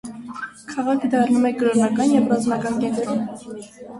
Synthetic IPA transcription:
kʰɑʁɑkʰəd̪ɑrnumɛɡəɾɔɾnɑkɑnjɛvrɑzmɑkɑnkɛnt̪ɾum

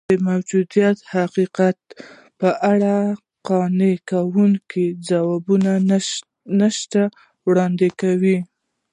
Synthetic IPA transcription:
əmawd͡ʒud̪ijat̪haqiqat̪̚ | pəʔaɽa | qɑnekawuŋkid͡zawɑbuna | nəʃt̪a | wɽɑnd̪ɪkawi

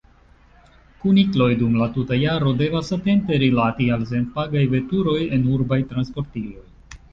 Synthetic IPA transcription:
kuniklo̞jdumlatutajaɾo̞de̞vasate̞nte̞ɾilatials̬e̞ntpaɡajve̞tuɾo̞je̞nuɾbajtɾanspo̞ɾtiʒo̞j

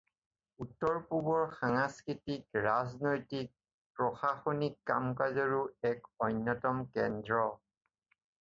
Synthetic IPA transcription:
utːɔɹpubɔɹxaŋaskɹitikɹaznojtik̚ | pɹɔxaxonikːa̰mkazɔɹuɛkɔjnːɔtɔmkɛndɹɔ

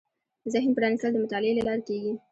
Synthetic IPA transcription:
zɪhnpəɾɑnist̪əld̪əmʊt̪ɑlɪelalɑɾkeɡi

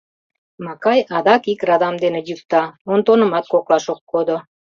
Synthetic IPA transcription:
mɑkɑjɑd̪ɑkikrɑd̪ɑmd̪enejykt̪ɑont̪onə̆mɑt̪̚koklɑʃokːod̪o

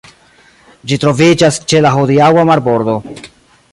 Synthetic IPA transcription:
d͡ʒitɾo̞vid͡ʒast͡ʃelaɦod̪iawamaɾbo̞ɾd̪o̞

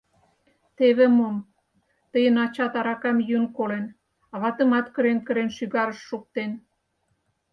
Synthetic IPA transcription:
t̪eβĕmom | t̪əjənɑt͡ɕɑt̪ɑɾɑkɑmjynkolen | ɑβɑt̪ə̆mɑt̪kə̆ɾenkə̆ɾenʃyɣɑɾəʃːuk̚t̪en

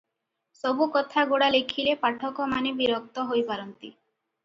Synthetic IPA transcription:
sɔbukɔt̪ʰaɡoɽalekʰilepaʈʰɔkɔmanebiɾɔk̚t̪ɔɦojpaɾɔnt̪i

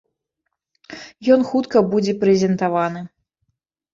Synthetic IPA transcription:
jɔnxut̪kɐbud͡zʲɛpɾɛzʲɛnt̪avanɨ

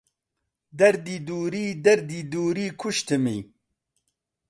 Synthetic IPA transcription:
d̪ɐɾd̪iːd̪uːɾiːd̪ɐɾd̪iːd̪uːɾiːkʰuʃt̪ʰɨmḭj

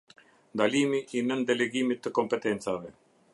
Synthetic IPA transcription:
d̪aliːmiʔinənd̪eleɡiːmit̪ːəkɔmpɛt̪ent͡saʋɛ

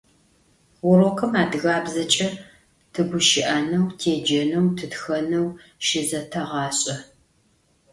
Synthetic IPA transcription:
wʊɾokʰɨmaːdɨɣaːbzɐt͡ʃʼɐ | tʰɨɡʷʊʃɪʔɐnɐwtʰeːd͡ʒɐnɐwtʰɨtxɐnɐw | ʃɪzɐtʰɐʁɑːɕʼɐ

